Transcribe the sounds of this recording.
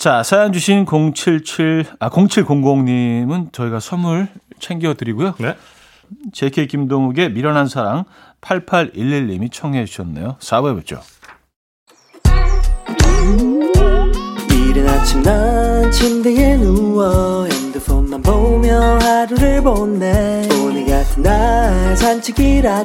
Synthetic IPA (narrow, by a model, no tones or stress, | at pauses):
t͡ɕasʰajand͡ʑuɕʰinkoŋt͡ɕʰiɭt͡ɕʰiɭakoŋt͡ɕʰiɭkoŋɡoŋɲimɯnt͡ɕʌiɡasʰʌmuɭt͡ɕʰeŋɡiʌdɯɾiɡujo | t͡ɕekʰekimdoŋuɡe̞miɾʌnɦansʰaɾaŋ | pʰaɭpʰaɾilːiʎːimit͡ɕʰʌŋɦed͡ʑuɕʰʌnːḛjosʰawebot͡ɕ͈o̰ | iɾɯnat͡ɕʰimnant͡ɕʰind̪eɡenuwʌend̪ɯfonːanbomjʌhaɾuɾɯɭbonːeoniɡatʰɯndasʰant͡ɕʰiɡiɾa